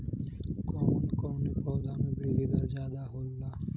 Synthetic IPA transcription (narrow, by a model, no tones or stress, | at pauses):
kɔːnkɔːnipɔːd̪aːmẽbiɡid̪ɐɾd͡ʒjaːd̪aɦoːlːa